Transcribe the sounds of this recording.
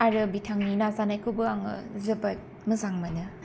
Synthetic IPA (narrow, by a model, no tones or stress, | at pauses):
aɾɯbitʰaŋninazanajkʰɯbɯaŋɯ̰zɐbat̚ | mɯzaŋmanɯ